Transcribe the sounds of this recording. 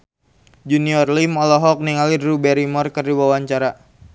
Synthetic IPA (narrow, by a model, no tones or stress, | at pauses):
d͡ʒuniɔrlimɔlɔɦɔk̚niŋalirubɛɾimɔrkərdiwawaɲt͡ʃaɾa